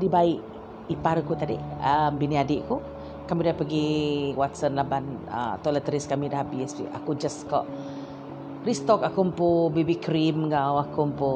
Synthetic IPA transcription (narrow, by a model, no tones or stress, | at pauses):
dibaiʔ | ipaɾkut̪adiəmbiniadɪʔku | kamidahpəɡiwat̪sənlabanə̰t̪ɔlət̪əɾiskamidahabisḭa̰kud͡ʒəskɔ̰ʔ | ɾist̪ɔkakumpubibikɾimŋawakumpu